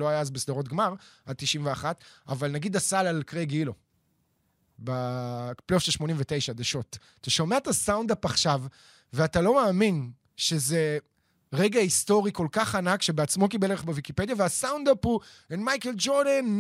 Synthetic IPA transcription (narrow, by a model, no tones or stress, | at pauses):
loajaazbesd̪aʁo̞t̪̬ɡmaʁad̚t̪iʃimveaχat̪a̰valnaɡid̪asalalkʁeɡilo̞ | baplofʃelʃmo̞nimvet̪e̞jʃad̪eʃo̞tataʃo̞meet̪asawnd̪apaχʃav | veatalo̞maːmin | ʃe̞ze̞ | ʁe̞ɡaist̪o̞ʁiko̞lkaχanakʃebeat͡smo̞kibeleeχbevikipe̞d̪javeasawnd̪apuenmajkeld͡ʒoʁd̪an